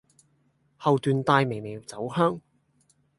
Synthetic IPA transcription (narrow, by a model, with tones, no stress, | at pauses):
hɐ˨wt̪yː˨˧nt̪aː˧jme˨˩jme˨˩jt͡sɐ˨˥whœː˥ŋ